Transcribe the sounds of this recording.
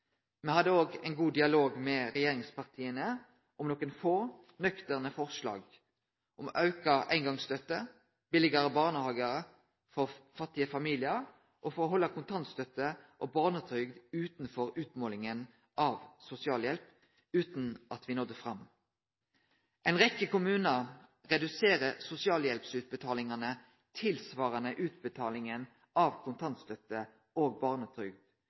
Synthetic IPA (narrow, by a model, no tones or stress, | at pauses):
mɛhɑd̪ːəoːɡɛɪnɡuːd̪ɪɑloːɡmɛʁɛjeːʁɪŋspʰɑʁt̪ʰiːənə | ʔɔmnɔkənfoː | nœkt̪əʁnəfɔʁslɑ̰ːɡ | ʔɔmɑʉkɑʔæ̰ɪŋɡɑŋst̪œt̪ːə | b̥ɪlɪɡəɾəbɑːʁnəhɑːɡəʁə | fɔʁfɑt̪ːɪəfɑmiːlɪəʁ | ʔɔfɔʁɔɦɔlːɑkʰʊnt̪ʰɑnt̪st̪œt̪əʔobɑːʁnət̪ʰʏʏɡd̪ʉːt̪nfɔʁʉːt̪moːlɪŋən | ʔɑʋsʊsɪɑːljɛlp | ʉːt̪nʔɑt̪ʋɪnɔd̪ːəfʁɑm | ʔɛnʁɛkːəkʊmʉːnəʁʁɛd̪ʉseːʁəsʊsɪɑːljɛlpsʉːt̪̚bət̪ʰɑːlɪŋɑnə | t̪ʰɪlsʋɑːʁɑnəʔʉːt̪̚bət̪ʰɑːlɪŋən | ʔɑʋkʰʊnt̪ʰɑnt̪st̪œt̪ːə | oːɡ̚bɑːʁnət̪ʰʁʏɡd̪̥